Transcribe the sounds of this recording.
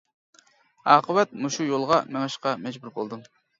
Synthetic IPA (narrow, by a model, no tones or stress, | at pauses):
ɑːqʰəwɛt̪̚muʃujolˠʁɑmɛŋɑʃqɑmɛd͡ʒbuɾbolˠd̪um